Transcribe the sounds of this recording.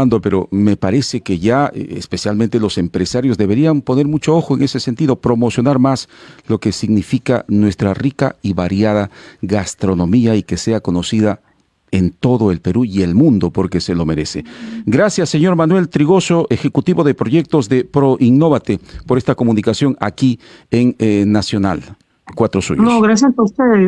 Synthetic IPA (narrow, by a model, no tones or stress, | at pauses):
and̪ope̞ɾo̞me̞paɾe̞se̞ke̞ʝaḛspe̞sjalmẽnt̪e̞lo̞se̞mpɾe̞saɾjo̞zðe̞βe̞ɾiampo̞ne̞ɾmut͡ʃoo̞xoe̞ŋe̞se̞se̞nt̪iðo̞pɾo̞mo̞sjo̞naɾmaslo̞ke̞siɡnifika̰nwe̞st̪ɾarika̰iβaɾjaðaɣast̪ɾo̞no̞miaike̞se̞ako̞no̞siða | e̞nt̪o̞ðo̞e̞lpe̞ɾuie̞lmũnd̪o̞po̞ɾke̞se̞lo̞me̞ɾe̞̰se̞ɡɾasjasːeɲo̞ɾmanwe̞lt̪ɾiɣo̞so̞ʔexe̞kut̪iβo̞ðe̞pɾo̞ʝe̞k̚t̪o̞zðe̞pɾo̞ʔiŋnoβat̪epo̞ɾe̞st̪ako̞mũnikasjo̞ŋa̰kieŋnasjo̞na̰l | kwat̪ɾo̞sṵɲonoɣɾasjasaust̪eð